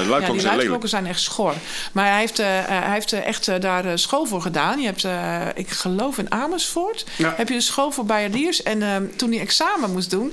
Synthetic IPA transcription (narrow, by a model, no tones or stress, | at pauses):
jadilœrokəsɛjnɛxtsxor | mareftheftʔɛ̰xtdaːrəsxoːlˠvoːrɣədaːnjəɛp̚tɪ̰kxəlowfɪnaːməsforthɛpjədəsxoːlˠvoːbajədiərsɛntunəɛksaːməmusdun